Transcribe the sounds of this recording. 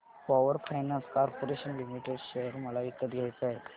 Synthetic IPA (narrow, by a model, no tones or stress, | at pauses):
pɔʋəɾfajnãnskaɾpoɾeɕənlimiʈeɖɕejəɾməlait̪ːət̪ɡʱjajt͡saɦe